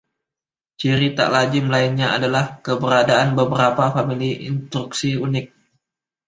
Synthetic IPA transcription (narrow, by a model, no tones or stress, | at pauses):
t͡ʃiɾit̪a̰ʔlad͡ʒɪmlaɪnɲaa̰dalahkəbəɾadaanbəbəɾapafamiliʔɪ̰nst̪ɾuksiunɪk̚